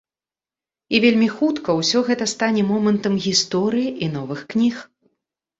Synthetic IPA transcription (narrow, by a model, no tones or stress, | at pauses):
ivʲelʲmʲixut̪kɐwsʲɔɣɛt̪ɐst̪anʲɛmɔmɐnt̪ɐmɣʲist̪ɔɾɨjiʔin̪ɔvɨxknʲix